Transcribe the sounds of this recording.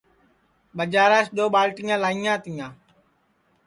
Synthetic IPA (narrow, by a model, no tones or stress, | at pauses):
ɓəd͡ʒaːɾaːsɗoːɓaːlʈiŋãːlaːiŋãːt̪ijãː